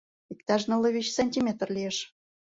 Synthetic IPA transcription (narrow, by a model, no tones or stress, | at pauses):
ikt̪ɑʒnə̆lə̆βʲit͡ɕsɑnʲtʲimʲet̪rlʲijeʃ